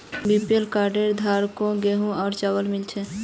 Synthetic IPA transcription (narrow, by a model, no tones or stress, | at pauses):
bipelkaɾɖeɾd̪ʱaɾkõɡeɦũɔːɾt͡ʃawəlmilt͡ʃʰɛ